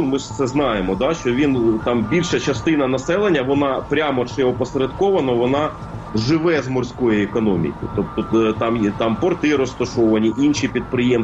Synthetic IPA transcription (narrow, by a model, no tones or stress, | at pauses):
mɪt̪sɛznɑjemɔd̪ɑʃt͡ʃɔʋʲint̪ɑmbʲilʲʃɐt͡ʃɐst̪ɪnɐnɐsɛlˠenʲːɐʋɔnɑpɾʲamɔt͡ʃɪɔpɔseɾɐd̪kɔʋɐnɐʋɔnɑ | ʒɪʋɛzmɔrsʲkɔjiekɔnɔmʲḭkɪt̪ɔp̚t̪ɔt̪ɑmt̪ɑmpɔrt̪ɪɾɔst̪ɐʃɔʋɐnʲiʔinʃipʲid̪̚pɾɪjɛm